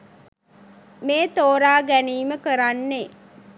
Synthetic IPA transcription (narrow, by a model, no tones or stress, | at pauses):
meːt̪oːɾaːɡæniːməkəɾanːe